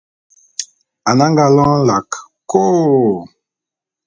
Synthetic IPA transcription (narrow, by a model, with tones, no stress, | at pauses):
a˨na˦ŋɡa˦lɔ̃˦la˨k | ko˦